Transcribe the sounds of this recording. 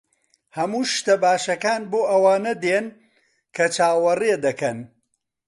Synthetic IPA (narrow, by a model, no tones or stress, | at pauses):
hɐmuːʃt̪ɐbaːʃɐkaːnboːʔɐwaːnɐd̪eːn | kʰɐt͡ʃʰaːwɐred̪ɐkɐn